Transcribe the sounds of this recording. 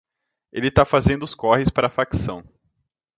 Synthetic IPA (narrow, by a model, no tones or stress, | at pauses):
elɪt̪afazẽnd̪ʊskɔhɪspaɾɐafaksɐ̃w̃